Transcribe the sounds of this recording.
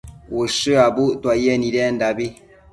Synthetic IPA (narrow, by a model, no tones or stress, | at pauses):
wuʃɨabutwajɛniɾɛndabi